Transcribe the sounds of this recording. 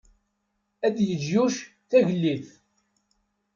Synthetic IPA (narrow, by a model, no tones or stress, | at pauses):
æd̪jəd͡ʒjuʃ | θæʝəlːiθ